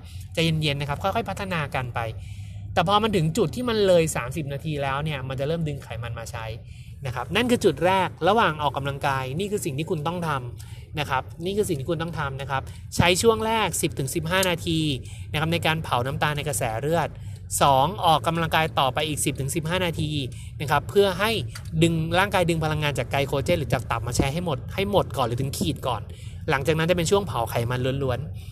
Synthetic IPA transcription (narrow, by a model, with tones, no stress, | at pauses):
t͡ɕa˨˩je˧nje˧nːa˦˥kʰa˦p̚kʰɔ˥˩jkʰɔ˥˩jpʰa˦˥t̪ʰːa˧naː˧ka˧npa˧jt̪ɛː˨˩pʰɔː˧ma˧nt̪ʰɯ˩˦ŋt͡ɕu˨˩t̪ʰːiː˥˩ma˧nlɤː˧jsaː˩˦msi˨˩p̚naː˧t̪ʰiː˧lɛː˦˥wni˥˩ɐma˧nt͡ɕa˨˩ɾɤː˥˩mdɯ˧ŋkʰa˨˩˦jma˧nmaː˧t͡ɕʰa˦˥j | na˦˥kʰa˦˥p̚na˥˩nkʰɯː˧t͡ɕu˨˩t̪̚ɾɛː˥˩k̚ɾa˧waː˨˩ŋʔɔː˨˩kːa˧mla˧ŋkaː˧jniː˥˩kʰɯː˧si˨˩ŋt̪ʰiː˥˩kʰu˧nt̪ɔ˥˩ŋt̪ʰa˧m | na˦˥kʰa˦˥p̚niː˥˩kɯː˧si˨˩ŋt̪ʰiː˥˩ku˧nt̪ɔ˥˩t̪ʰa˧mna˦˥kʰa˦˥p̚ | t͡ɕʰa˦˥jt͡ɕʰu˥˩əŋɾɛː˥˩k̚si˨˩p̚t̪ʰɯ˩˦ŋsi˨˩p̚ɦaː˥˩naː˧t̪ʰiː˧ | na˦˥kʰa˦˥p̚na˧jkaː˧npʰa˩˦wna˦˥mt̪aː˧na˧jka˧sɛː˩˦ɾɯ˥˩ət̪̚ | sɔː˩˦ŋʔɔː˨˩kːa˧mla˧ŋkaː˧jt̪ɔː˨˩pːa˧jʔiː˨˩k̚si˨˩p̚t̪ʰɯ˩˦ŋsi˨˩p̚ɦaː˥˩naː˧t̪ʰiː˧ | na˦˥kʰa˦˥pʰːɯ˥˩ɐɦa˥˩j | dɯ˧ŋɾaː˥˩ŋkaː˧jdɯ˧ŋpʰa˧la˧ŋːaː˧nt͡ɕaː˨˩kːa˧jkʰoː˧t͡ɕeː˧˥ɾɯː˩˦t͡ɕaː˨˩k̚t̪a˨˩p̚maː˧t͡ɕʰɛ˦˥ɦa˥˩jmo˨˩t̪̚ha˥˩jmo˨˩t̪̚kɔː˨˩nɾɯː˨˩˦t̪ʰɯ˩˦ŋkʰiː˨˩t̪̚kɔ̰ː˨˩n | la˩˦ŋt͡ɕaː˨˩k̚na˦˥nt͡ɕa˨˩pe˧nt͡ɕʰu˥˩əŋpʰa˩˦wkʰa˨˩jma˧nlu˧˦ənlu˧˦˥ən